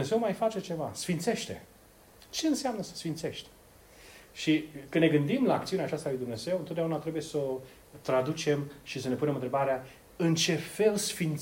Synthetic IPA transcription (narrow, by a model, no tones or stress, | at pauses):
eze̞wmajfat͡ʃe̞t͡ʃe̞vasfint̪se̞ʃt̪e̞̰ | t͡ʃe̞ɨnseamnəsə̥sfint̪se̞ʃt̪ʲ | ʃikɨnːe̞ɡɨnd̪imlaːkt̪siuneat͡ʃast̪alujd̪umne̞ze̞wɨnt̪od̪jaunat̪ɾe̞buje̞so | t̪ɾad̪ut͡ʃe̞mʃisəne̞punemɨnt̪ɾe̞baɾea | ɨnt͡ʃe̞fe̞lsfint̪